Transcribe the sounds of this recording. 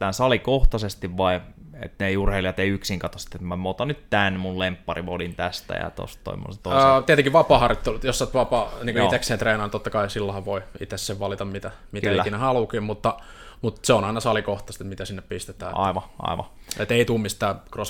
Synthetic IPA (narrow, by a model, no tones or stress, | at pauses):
t̪æːnsɑlikoht̪ɑsest̪iʋʋɑi | ḛt̪neiurheiliɑt̪eiyksiŋkɑt̪osi̥t̪ːet̪mæmoˑːt̪ɑnyt̪t̪ænmullempːɑriʋolint̪æst̪æ̰jɑ̰t̪o̰st̪t̪o̰imːo̰nset̪oˑst̪iet̪eŋkiʋʋɑpɑːhɑrjot̪ːelut̪josːɑt̪ʋɑpɑːniːŋkoiekseːt̪reːnɑːnt̪ot̪ːɑkɑisilːohɑʋʋoiḭt̪esseʋʋɑlit̪ɑmmit̪æ | mitk̪ælːæinehɑlukiːmut̪ːɑ | mut̪seonɑinɑsɑlikoht̪ɑst̪emit̪æsinːeppist̪et̪æ̰ːɑ̰iʋɑʔɑ̰iʋɑ̰ḛt̪eˑit̪uːmist̪æːkros